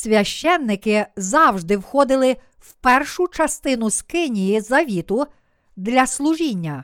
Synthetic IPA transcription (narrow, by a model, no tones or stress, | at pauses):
sʲʋʲɐʃt͡ʃɛnːɪkɪzɑwʒd̪ɪwxɔd̪ɪlˠɪ | wpɛrʃʊt͡ʃɐst̪ɪnʊskɪnʲijizɐʋʲit̪ʊ | d̪lʲɐslˠʊʒinʲːɐ